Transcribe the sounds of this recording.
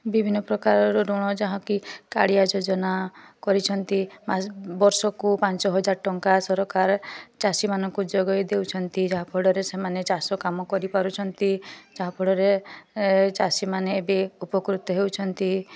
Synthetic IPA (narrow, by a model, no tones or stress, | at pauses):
bibʱinːɔpɾɔkaɾɔɾɔɾɔɽ̃ɔd͡ʒaɦɔ̃kikaɽiad͡ʒod͡ʒɔnakɔɾit͡ʃʰɔnt̪imasbɔɾsɔkupant͡ʃɔɦɔd͡ʒaɾʈɔŋkasɔɾɔkaɾt͡ʃasimanɔŋkud͡ʒɔɡɔjd̪ewt͡ʃʰɔnt̪id͡ʒaɦãpʰɔɽɔɾesemanet͡ʃasɔkamɔkɔɾipaɾut͡ʃʰɔnt̪id͡ʒaɦãpʰɔɽɔɾe | t͡ʃasimaneːbeupɔkɾut̪ɔɦewt͡ʃʰɔnt̪i